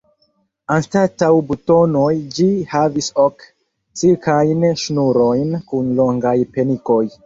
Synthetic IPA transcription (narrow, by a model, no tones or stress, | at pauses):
anstatawbuto̞nojd͡ʒihavisok | t͡siɾkʰajnʃnuɾo̞jnkunlo̞ŋɡajpeniko̞j